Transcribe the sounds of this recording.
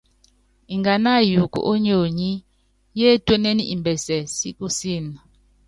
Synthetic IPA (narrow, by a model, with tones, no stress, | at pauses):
i˨ŋɡa˨na˦˨ju˨kṵ˨ʔo˦ɲo˨ɲi˦ | je˦twɛ˦ne˦ni˦ʔi˨mbɛ˨sɛ˨sḭ˦ku˦si˦˨na˨